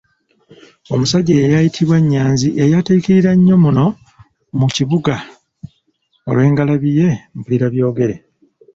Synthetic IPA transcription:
o̞musaɟeejajitʰiβwaɲːaːnziʔejatekiɾiɾaɲːo̞muno̞ | muciβuɡa | o̞̰lwe̞ːŋɡalaβije̞m̩puliɾaβjo̞ːɡe̞ɾe̞

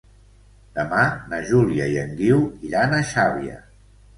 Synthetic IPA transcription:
d̪̥əmanəʒuliəiəŋɡiwiɾanəʃaβiə̰

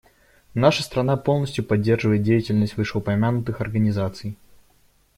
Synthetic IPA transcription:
naʂəst̪ɾɐnapo̞lˠnəsʲtʲjʊpɐdʲːe̞rʐɨvəɪt̪̚dʲejɪtʲɪlʲnəsʲtʲvɨʂəʊpɐmʲanʊt̪ɨxɐrɡənʲɪzat̪sɨj

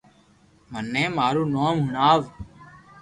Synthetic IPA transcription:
mənːẽːmaːɾuːnoːmɦʊnaːʋ

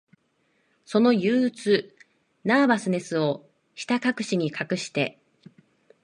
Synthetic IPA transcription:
so̞no̞jɯːt͡sɨ | naːbasɨne̞sɨo̞ | çi̥t̪akakɯ̟ɕiɲ̟ikakɯ̟ɕi̥t̪e̞̰

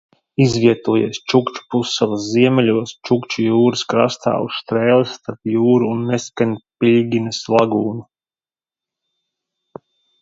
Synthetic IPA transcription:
izvʲiɛt̪uɔjiɛst͡ʃukt͡ʃu̥pusːavˠasziɛmʲɛlʲuɔst͡ʃukt͡ʃujuːɾɨskɾa̰st̪a̰ːṵsst̪ɾeːlˠisːt̪aɾt̪juːɾuːnːeskanʲpilʲɡʲinɨslˠaɡuːnu

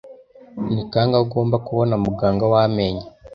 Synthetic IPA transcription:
nikaːŋɡaɡo̞ːmbakuβo̞namuɡaːŋɡawame̞ːɲe

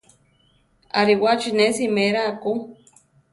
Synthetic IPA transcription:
aɾiwat͡ʃinesimeɾaːku

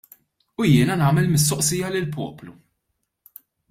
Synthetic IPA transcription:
ujɪːnɐnɐːmɛlmɪst̪ɔʔsɪjːɐlɪlpɔ̰ːplu

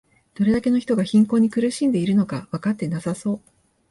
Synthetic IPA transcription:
d̪̥o̞ɾe̞d̪ake̞no̞çi̥t̪o̞ɡaçĩŋko̞ːɲ̟ikɯ̟ɾɯ̟ɕĩnd̪e̞iɾɯ̟no̞kaβakat̪ːe̞nasaso̞ː

